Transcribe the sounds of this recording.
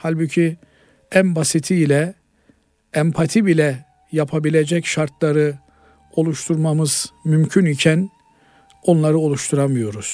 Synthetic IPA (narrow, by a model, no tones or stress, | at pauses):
halʲbucʰi | ænbasit̪ʰiːlʲɛ | ɛmpʰat̪ʰibilʲɛ | japʰabilʲed͡ʒɛcʃaɾt̪ʰlˠaɾɯ | o̞lˠuʃt̪ʰuɾmamɯz̥mymcʰynicʰæn | o̞nlˠaɾɯo̞lˠuʃt̪ʰuɾamɯjo̞ɾuz̥